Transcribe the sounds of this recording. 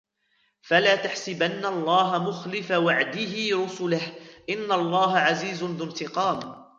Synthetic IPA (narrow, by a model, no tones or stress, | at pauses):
falaːt̪aħsɪbanːaʔɑlˤːɑːɦamʊxlɪfawaʕd̪ɪɦɪɾʊsʊlahʔɪnːalˤːɑːɦaʕaziːzʊnðɪnt̪ɪqɑːm